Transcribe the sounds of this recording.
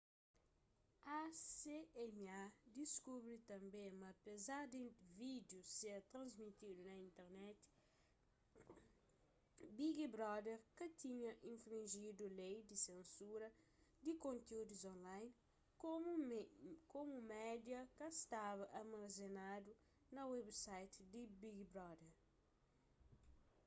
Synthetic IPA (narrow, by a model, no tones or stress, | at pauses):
aseɛmad̪iskubɾit̪ɐ̃mbẽmɐpezaɾd̪ẽvid̪juseɐt̪ɾɐ̃nzmit̪id̪unɐĩnt̪ɛɾnɛt̪i̥ | biɡibɾɔd̪eɾkɐt̪ĩɲɐʔĩɱfɾĩnʒid̪ulejd̪isẽnsuɾɐ | d̪ikõnt̪eud̪uzõnlajn | komukomumɛd̪jɐkɐst̪aβɐʔɐmɐzenad̪u | nɐwebsajt̪id̪ibiɡibɾɔd̪eɾ